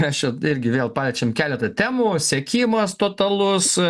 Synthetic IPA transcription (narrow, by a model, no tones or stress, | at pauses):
mʲɛsjɛɪɾʲɡʲɪʋʲeːlˠpɑːlʲɛt͡ʃʲɛmkʲæːlʲɛt̪ɐt̪ʲæːmuːsʲɛkʲiːmɐst̪oːt̪ɐlˠʊs